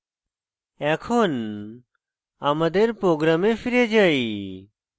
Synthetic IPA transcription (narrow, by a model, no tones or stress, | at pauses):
ɛkʰoːn | amɐd̪eɾpɾoːɡɾaːmefiɾed͡ʒai